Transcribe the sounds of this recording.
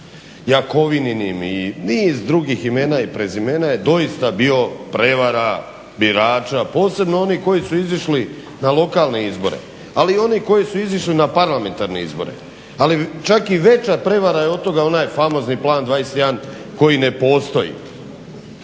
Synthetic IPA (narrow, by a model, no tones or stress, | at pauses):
jako̞ʋininiminiːzd̪ɾuɡixime̞ːnaipɾezimeːnajed̪o̞jist̪abio̞pɾe̞ʋaɾa | biɾaːt͡ʃapo̞ːse̞bno̞o̞niko̞jisuiziʃli | nalˠo̞kaːlne̞izbo̞ɾe̞̰ | alio̞niko̞jisuiziʃlinapaɾlˠame̞nt̪aɾneḭzbo̞̰ɾḛ | alit͡ʃakiʋe̞t͡ʃapɾe̞ʋaɾajeod̪t̪o̞ɡao̞naːjfamo̞zniplˠaːnd̪ʋajeset̪jan | ko̞jine̞po̞ːst̪o̞jḭ